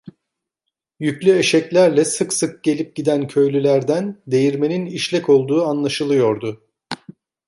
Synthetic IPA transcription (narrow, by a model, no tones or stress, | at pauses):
jycʲlʲye̞ʃɛclʲæɾlʲɛsɯksɯk̚ɟ̥e̞lʲip̚ɟid̪æncʰø̞jlʲylʲæɾd̪ænd̪e̞jiɾme̞niniʃlʲɛco̞lˠd̪uːanlˠaʃɯlˠɯjo̞ɾd̪ʊ